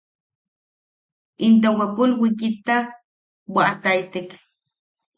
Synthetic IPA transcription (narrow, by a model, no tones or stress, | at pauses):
int̪awakulwikit̪ak̚ | waʔt̪ajt̪ik